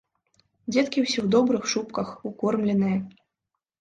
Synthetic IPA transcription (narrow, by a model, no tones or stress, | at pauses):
d͡zʲɛt̪kʲiwsʲɛwd̪ɔbɾɨxʂupkɐxukɔrmlʲɛnɨjɐ